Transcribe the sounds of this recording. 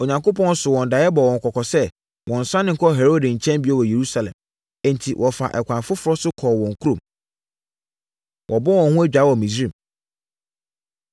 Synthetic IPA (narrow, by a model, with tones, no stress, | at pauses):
o˨ɲã˨ŋko˦pɔ̃˦n̩˦sʊ˨wɔ̃˨nda˨˦ɛ˦bɔ˨wɔ̃˨ŋ̩˨kʰɔ˨kʰɔ˨sɛ˦ | wʔɔ̃˨n̩˨sã˦nɪ̃˦ŋ̩˦kʰɔ˦˨ɦɛ˨ɾo˦dɪ˨ɲ̩˨t͡ɕʰɛ̃˦mbi˨˦ɔ˦wɔ˨je˨ɾu˦sa˨lɛ̰̃˨m | ɛ̃˦ntʰi˨wʔɔ˨fa̰˨ʔɛ˨kʷʰã˨fʊ˦fʊ˦ɾɔ˦sʊ˦kʰɔː˨wɔ̃˨ŋ˨kʰu˦ɾõ˨m | wʔɔ˨bɔ˦wɔ̃˨hʊ̃˦æ˦d͡ʑᶣaː˨˦wɔ̃˨mĩ˨sɾĩ˨